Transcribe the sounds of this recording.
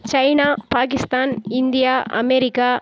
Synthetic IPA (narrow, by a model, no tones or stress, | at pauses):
t͡ʃɐɪnaːpaːkɪst̪aːnɪnd̪ɪjaːʔɐ̰mɛɾɪkːaː